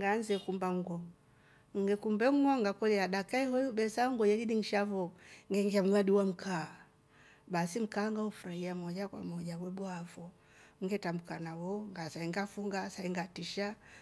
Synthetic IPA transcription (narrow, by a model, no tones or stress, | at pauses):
ŋɡanzɛkumbaŋɡɔ | ŋ̩ɡɛkumbɛŋ̩ɡɔŋɡakɔlɛaɗakaɛhɔjubɛsaŋɡɔjɛlidiŋ̩ʃavɔŋɡɛŋɡiam̩ɡaɗiwam̩kʰaː | basim̩kaːŋɡahufuɾahiamɔd͡ʒakwa̰mɔd͡ʒawɛɓɔavɔ | ŋ̩ɡɛtambukanawɔŋɡasaiŋɡafuŋɡasaiŋɡatiʃa